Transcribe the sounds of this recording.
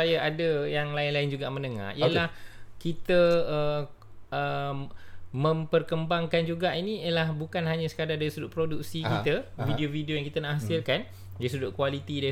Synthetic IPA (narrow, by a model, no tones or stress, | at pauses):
ajaʔadəjaŋlaɪnlaɪnd͡ʒuɡaʔmə̃nəŋa̰hijəlahkit̪əə | ə | mə̃mpərkəmbaŋkand͡ʒuɡaʔinĩəlahbukanɦaɲasə̥kadadaɾisudʊʔpɾoduksikit̪əvidiovidiojaŋkit̪ənaʔɦasɪlkan | daɾis̬ədʊʔ̚kwalit̪ida